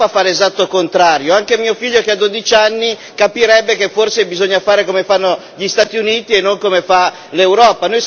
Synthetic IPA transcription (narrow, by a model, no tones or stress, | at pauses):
afaɾeːzat̪ːokont̪ɾaːɾjoaŋkemiːofiʎːokead̪ːod̪it͡ʃanːi | kapiɾɛbːekeforsebizoɲːafaːɾekomefanːo | ʎist̪aːt̪iuniːt̪ienːoŋkomefa | lewɾɔːpanoj